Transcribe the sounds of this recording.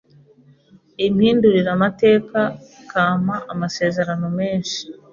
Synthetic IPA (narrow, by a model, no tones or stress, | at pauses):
imhiːnduɾiɾamate̞ːkakaːm̥aʔamase̞ːzeɾano̞me̞ːnʃi̥